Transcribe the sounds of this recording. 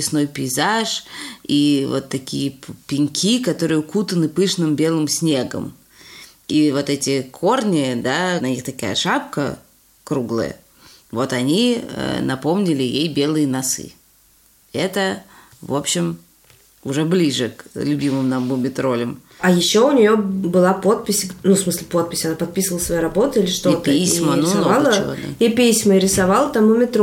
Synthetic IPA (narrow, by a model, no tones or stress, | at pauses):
ɪsno̞jpʲɪɪzaʂivo̞t̪ːɐkʲijəpʲɪnʲkʲʰikɐt̪o̞ɾɨjʊkut̪ənɨpɨʂnɨmbʲe̞lˠɨmsʲnʲe̞ɡə̰m | ivo̞t̪ɛtʲɪkʰo̞rnʲɪd̪anɐnʲixt̪ɐka̰jə̰ʂap̚kə | kɾuɡlˠə̰jə̰ | vo̞t̪ɐnʲiə̰nɐpo̞mnʲɪlʲɪjejbʲe̞lˠɨjənɐsɨ̰ | ɛt̪ə | vo̞pɕːɪm | ʊʐɛblʲiʐɨklʲʊbʲimɨmnɐmbʊmʲɪt̪ɾo̞lʲɪm | ɐjɪɕːo̞ʊnʲɪjo̞bɨlˠapo̞t̪̚pʲɪsʲnufsmɨsʲlʲɪpo̞t̪̚pʲɪsʲɐnapɐt̪̚pʲisəvəlˠəsvɐjeɾɐbo̞t̪əilʲɪʂt̪ot̪isʲmənonoalˠəod̪a̰ipʲisʲməɪɾʲɪsɐvalˠt̪ɐmʊmʲɪt̪ɾ